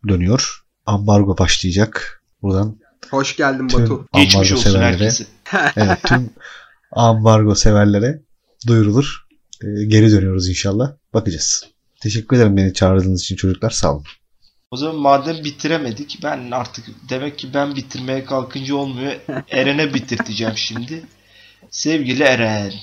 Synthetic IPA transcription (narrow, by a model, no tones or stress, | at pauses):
d̪ø̞nyjo̞ɾ̥ | ambaɾɡo̞baʃlˠɯjad͡ʒak | buɾd̪an | hoʃɟælʲd̪imaymuaembaɾɡoosevæɾlælʲeɾeɛsɪ | evɛt̪ʰːym | ambaɾɡo̞se̞væɾlʲe̞ɾɛ | d̪ujɾulˠuɾ̥ː | ɟe̞ɾid̪ønyjo̞ɾuzinʃalˠːahbakɯd͡ʒas | t̪ʰe̞ʃɛcʲːyɾed̪eɾimbe̞nit͡ʃʰaːɾɯd̪ɯːnɯzit͡ʃʰint͡ʃʰo̞d͡ʒuklˠaɾsa̰lˠɯɾ | o̞zamanmaːd̪æmbit̪ʰiɾeme̞d̪icbænaɾt̪ʰɯkd̪e̞mɛcʰːibænbit̪ʰiɾme̞jɛkʰalˠkʰɯnd͡ʒɯo̞lˠmujueɾenɛbit̪ʰiɾt̪ʰid͡ʒɛmʃimd̪ɪ | sɛvɟilʲieɾɛn